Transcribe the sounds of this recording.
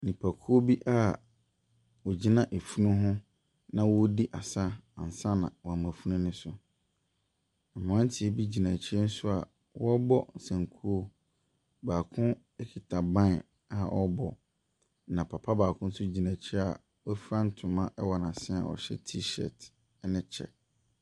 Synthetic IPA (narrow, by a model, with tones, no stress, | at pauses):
nĩ˨pʰa˨kʰu˦o˦bi˦ʔa˦˨ | wɔ˨d͡ʑi˦nã˨ʔe˨fu˦nũ˦ɦʊ̃˦ | nã˦wɔ˦di˦ʔa˨sa˦ã̰˨n˨sa˦nã̰˨wɔ˨a˨mã˨fu˦nũ˦nɪ̃˦sʊ˨ | a˨mʊ̃˨ã˦n˦tʰɪ˨e˨bi˦d͡ʑi˨nã˨t͡ɕʰɪ˦ɛ˦n̩˦sʊ˦a̰˨ | wɔ˦bɔ˦n̩˨sã˨ŋkʰu˦o˦ | baː˨kʰʊ̃˦ | ɛ˦kʰi˨tʰa˨bã˦n˨ | a˨ʔɔ˦bɔ˨ | nã˨pʰa˨pʰa˦baː˨kʰʊ̃˦n̩˦sʊ˦d͡ʑi˨nã˨t͡ɕʰa̰˨ | wfɾã˦n̩˦tʰʊ̃˨mã˦ʔɛ˦wɔ˨nã˨sɪ̃˦a̰˨wɔ̰˨ɕɛ̰˦tʰi˦ʃɛ̰˨t | nɪ̃˦t͡ɕʰɛ̰˨